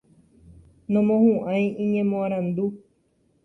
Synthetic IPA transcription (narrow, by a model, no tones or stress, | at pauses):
nõmõhũʔãj̃ĩɲẽmõãɾ̃ãnd̪u